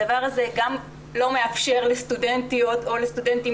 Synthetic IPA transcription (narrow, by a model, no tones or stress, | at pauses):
avaʁazeɡam | lo̞me̞afʃe̞ʁlest̪udentijot̪o̞lest̪udenti